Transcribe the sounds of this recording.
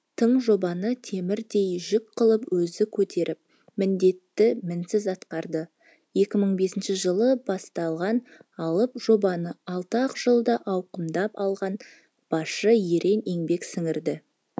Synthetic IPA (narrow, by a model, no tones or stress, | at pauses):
t̪ʰəɴʒo̞bɑnət̪ʰe̞mɪɾd̪e̞jʒɪk̚qʰəlˠəpwɵzɪkʲʰɵt̪ʰe̞ɾʔɪp̚ | mɪnd̪e̞t̪ːɪmɪnsɪzɑt̪qɑɾd̪ə | je̞kʲɪməɴbe̞sɪnʃɪʒəlˠəbɑst̪ɑlˠʁɑnɑlˠəpʒo̞bɑnəɑlˠt̪ɑqʒ̥əlˠd̪ɑʔɑwqəmd̪ɑpɑlˠʁɑn | b̥ɑʃəje̞ɾʔe̞neŋbe̞ksɪŋɪɾd̪ɪ